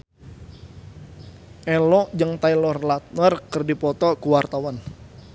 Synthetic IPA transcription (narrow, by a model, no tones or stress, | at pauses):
ʔɛlɔd͡ʒəŋt̪ailɔrlat̪̚nərkərdipɔt̪ɔkuwart̪awan